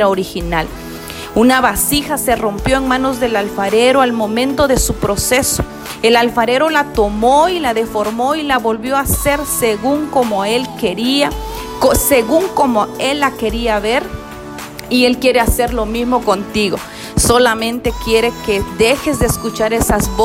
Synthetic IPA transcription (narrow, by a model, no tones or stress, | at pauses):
ɾaoɾixinal | unaβasixase̞ro̞mpjo̞eŋmãno̞zðe̞lalfaɾeɾoalmõ̞mẽ̞nt̪o̞ðe̞supɾo̞se̞so̥ | elalfaɾe̞ɾo̞lat̪o̞mo̞ilaðe̞fo̞ɾmo̞ilaβo̞lβjo̞ase̞ɾseɣuŋko̞moe̞lkeɾia | koseɣuŋkomoe̞lːake̞ɾiaβe̞ɾ | ie̞lkje̞ɾe̞ase̞ɾlo̞mizmo̞ko̞nt̪iɣo̞ | so̞lamẽ̞nt̪e̞kje̞ɾe̞keðexe̞zd̪eːskut͡ʃaɾesazβ